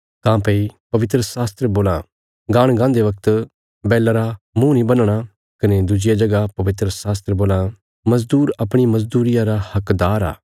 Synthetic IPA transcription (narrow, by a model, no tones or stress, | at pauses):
kãːpeipɐʋɪt̪ɾəsaːst̪ɾəboːlã | ɡãːɽ̃ɡãːnd̪eʋɐk̚t̪ | bɛːlaɾa | mũnĩbɐnɽ̃a | kɐned̪ud͡ʒɪjad͡ʒɐɡapɐʋɪt̪ɾəsaːs̬t̪ɾəboːla | mɐzd̪uːɾɐpɽ̃imɐzd̪uːɾɪjãɾahɐkd̪aːɾa̰ː